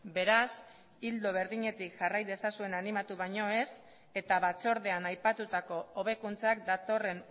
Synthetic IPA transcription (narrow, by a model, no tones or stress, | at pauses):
be̞ɾas | ild̪oβ̞e̞ɾðiɲe̞t̪ikʝarajðe̞sasue̞nanimat̪uβ̞aɲo̞e̞s | e̞t̪aβat͡so̞ɾð̞e̞anajpat̪ut̪ako̞oβ̞e̞kunt͡sakd̪at̪o̞re̞n